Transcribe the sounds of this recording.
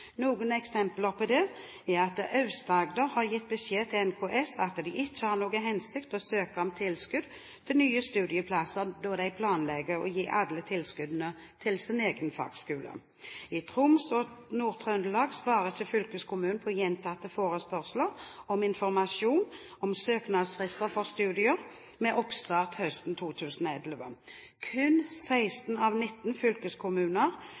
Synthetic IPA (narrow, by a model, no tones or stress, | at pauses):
nuːɡənɛksɛmpləʁpʰɔd̪ɛ | æɑt̪əʔɑʉst̪ɑɡd̪əɾhɑʁjɪt̪̚ːbəɕeːt̪ʰɪlɛnkʰoʔɛsɑt̪d̪ɪʔɪt͡ʃːəhɑʁnoːɡəɦɛnsɪkt̪ɔsøːkəɔmt̪ʰɪlskʉd̪̚ | t̪ʰɪlnyːəst̪ʉːd̪ɪəpʰlɑsəʁd̪ɔd̪æɪpʰlɑːnlɛɡəɾɔ̰jiːʔɑd̪lət̪ʰɪlskʉd̪nə | t̪ʰɪlsɪneːɡənfɑ̰ːɡskʉːlə̰ | ɪt̪ʰʁʊmsɔnuːʁt̪ʰʁɑʉnd̪əlɑːɡsʋɑːʁəçəfʏlkəskʰʊmʉːnpʰɔjɛnt̪ʰɑt̪ːəfoːʁəspœʁsləʁɔmɪnfɔʁmɑʃuːn | ɔmsøːknɑd̪sfʁɪst̪əʁfɔʁst̪ʉːd̪ɪəʁ | mɛʔɔpst̪ɑːʁt̪hœst̪n̩t̪ʰuːt̪ʰʉːsənɔɛlʋə | kʰʉnsæɪst̪n̩ɑʋnɪt̪ːn̩fʏlkəskʰʊmʉːnəʁ